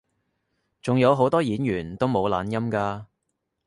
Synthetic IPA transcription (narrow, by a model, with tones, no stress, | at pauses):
t͡sʊ˨ŋjɐ˨˧wɦo˨˥wt̪ɔː˥jiː˨˥njyː˨˩nt̪o˥wmo˨˧wla̰ː˨˧njɐ˥mkaː˧